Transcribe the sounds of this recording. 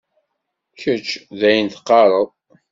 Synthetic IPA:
çət͡ʃːðæjənt̪qːɑɾˤəðˤ

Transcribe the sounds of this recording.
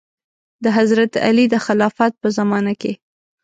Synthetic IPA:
d̪əɦazɾat̪a̰lid̪əxɪlɑfat̪̚pəzamɑnake

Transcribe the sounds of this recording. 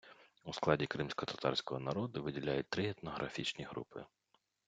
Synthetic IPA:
usklˠɑdʲikɾɪmsʲkɔt̪ɐt̪ɑ̰rsʲkɔɦɔnɐɾɔd̪ʊʋɪdʲilʲajʊt̚ʲt̪ɾɪɛt̪nɔɦɾʔɐ̰fʲit͡ʃnʲiɦɾṵpɪ̰

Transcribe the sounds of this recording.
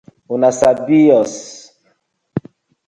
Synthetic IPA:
unasabiɔs

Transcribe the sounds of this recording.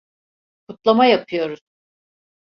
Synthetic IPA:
kʰut̪lˠamajapʰɯjo̞ɾuz̥

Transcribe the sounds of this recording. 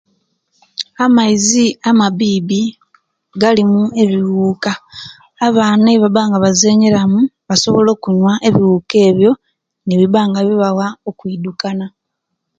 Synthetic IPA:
amaiziamaβiːβi | ɡalimue̞βiwuːkaː | βaːnaβaβaːŋɡaβaze̞ːɲeɾamuβaso̞βolo̞ːkuɲwaʔe̞βiwuːke̞ːβjo̞ | neβiβaːŋɡaβiβawaokwiːdukana

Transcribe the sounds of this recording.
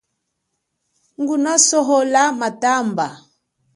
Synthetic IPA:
ŋɡunasɔɦɔlamatamba

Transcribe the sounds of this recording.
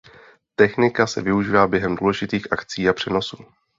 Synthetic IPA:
t̪ɛxnɪkasɛ̰vɪuʒiːvaːbjɛɦɛmduːlɛʒɪt̪iːxʔakt͡siːapr̝̥ɛno̞suː

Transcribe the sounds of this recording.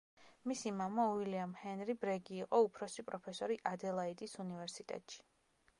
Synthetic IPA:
misimamauiliamhɛnɾibɾɛɡiːqʼɔupʰɾɔsipʼɾɔpʰɛsɔɾiʔad̪ɛlˠaid̪isunivɛɾsit̪ʼɛ̰t̪ʼʃi̥

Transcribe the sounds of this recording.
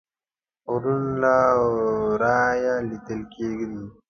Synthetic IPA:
ɾunla | ɾajalit̪əlkeɡd̪i

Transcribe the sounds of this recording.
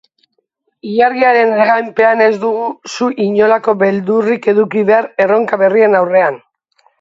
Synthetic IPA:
iʎaɾɣiaɾe̞neɣ̞ajmpe̞ane̞zd̪uɣusuʔiɲo̞lako̞βe̞ld̪urike̞ðukiβe̞aɾe̞ro̞ŋkaβe̞rie̞nawre̞an

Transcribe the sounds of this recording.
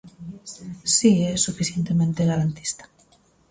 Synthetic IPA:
siɛsufiθjent̪emẽnt̪eɣaɾant̪i̥st̪ḁ

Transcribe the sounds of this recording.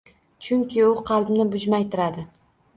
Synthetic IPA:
t͡ʃʰʊŋkʲɪʊqʰɑlˠbnɪbʊd͡ʒmajt̪ʰɪɾad̪ɪ

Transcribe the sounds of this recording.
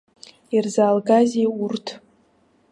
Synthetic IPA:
irzaːlɡazeurtʰ

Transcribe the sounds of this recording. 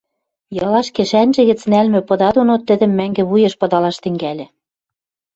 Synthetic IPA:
jɤ̆lɑʃkĕʃænʒĕɣɘ̆t͡snælmɘ̆pɤ̆d̪ɑd̪onot̪ːɘ̆d̪ɘ̆mːæŋɡĕβujĕʃpɤ̆d̪ɑlɑʃt̪ɘ̆ŋɡælʲĕ

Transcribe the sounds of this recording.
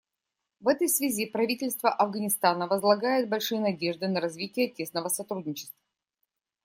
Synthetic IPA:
vɛt̪əjsvʲɪzʲipɾɐvʲitʲɪlʲst̪vəʔɐvɡənʲɪst̪anəvəzlˠɐɡajɪt̪̚bɐlʲʂɨjənɐdʲe̞ʐd̪ɨnəɾɐzvʲitʲɪjətʲe̞snəvəsɐt̪ɾudʲnʲɪt͡ɕɪ̥st̪və

